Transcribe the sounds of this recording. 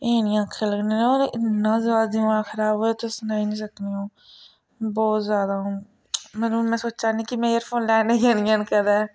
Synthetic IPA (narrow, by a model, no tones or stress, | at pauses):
eːnɪjãːkʰːeːləɡnẽːnoːɾɪtnãːzʋaːzd̪iõːãːkʰəɾaːbɦoːeːt̪oːsənaːiːnĩːsəkneːɦõː | bɔːt̪zjaːd̪aːɦõː | mɛnumɛ̃ːsoːt͡ʃaːnĩːkimɛ̃ːjəɾpʰoːnlɛːneːɡeːnɪjãːnkɛd̪ɛː